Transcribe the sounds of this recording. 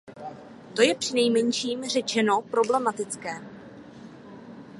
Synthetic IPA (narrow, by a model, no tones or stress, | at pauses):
t̪o̞jɛpr̥ɪnɛjmɛɲʃiːmr̝ɛt͡ʃɛno̞pɾo̞blɛmat̪ɪt͡skɛː